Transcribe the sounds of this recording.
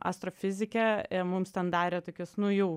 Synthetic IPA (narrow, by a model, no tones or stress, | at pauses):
ʔɑ̰st̪ɾoːfʲɪzʲɪkʲɛɪmʊmst̪ʲɛnd̪ɑːɾʲeːt̪oːkʲʊsnʊjuː